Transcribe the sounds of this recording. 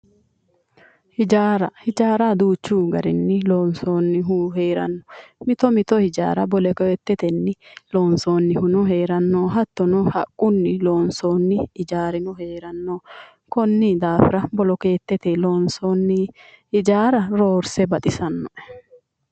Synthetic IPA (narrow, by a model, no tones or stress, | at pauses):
hɪd͡ʒaːɾɐhɪd͡ʒaːɾad̪uːt͡ʃːuːɡɐɾɪnːɪloːnsoːnːɪɦuheːɾɐ̰nːɔ̥mɪt̪ɔmɪt̪ɔhɪd͡ʒa̰ːɾɐbɔlɛket̪ːɛt̪ɛnːɪloːnsoːnːɪhʊnɔɦeːɾɐnːoːɦɐt̪ːɔnɔhɐkʼːʊnːɪlo̞ːnsoːnːɪːd͡ʒaːɾɪnɔheːɾɐnːoː | kɔnːɪd̪aːfɪɾɐbɔlɔkeːt̪ːɛt̪eːloːnsonːɪhɪd͡ʒaːɾɐɾoːɾsɛbɐt̪ʼɪsɐnːɔʔɛ̥